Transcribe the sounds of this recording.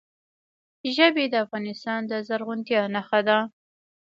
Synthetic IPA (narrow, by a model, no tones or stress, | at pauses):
ʒəbed̪əafɣɑnɪst̪ɑnd̪əzaɾɣʊnt̪jɑnaxad̪a